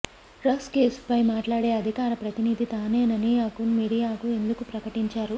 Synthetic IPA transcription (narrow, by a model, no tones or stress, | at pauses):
ɾɐskeːspɐjmaːʈlaːɽeːɐd̪ʱikaːɾɐpɾɐt̪inid̪ʱit̪aːneːnɐniaːkunmiɽijaːkue̞nd̪ukupɾɐkɐʈiɲt͡ʃaːɾu